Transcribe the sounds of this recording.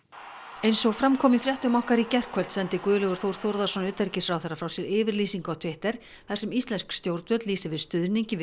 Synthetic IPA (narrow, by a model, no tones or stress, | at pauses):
ejnsɔɣfɾamkʰɔːmɪfɾjaht̪ʏmɔhkaɾicɛr̥kʰvœlt̪sɛnt̪ɪkvʏːðʏlœɣʏɾ̥θowɾθowɾðasɔnʏːt̪ɛɾcɪsɾawθɛrːafɾawsjɛɾɪːvɪɾliːsiŋkawt̪ʰvɪht̪ɛɾ̥ | θasɛmist̪lɛnskst̪jowɾt̪vœt̪liːsɪvɪðst̪ʏðniɲcɪ